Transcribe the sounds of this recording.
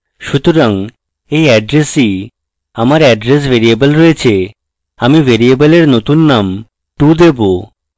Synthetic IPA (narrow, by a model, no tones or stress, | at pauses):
ʃut̪oɾaŋ | ejɛɖɾesi | amaɾɛɖɾes̬bʱeɾiebəlɾɔet͡ɕʰe | amivʱeɾiebəleɾnot̪unːam | ʈud̪ebo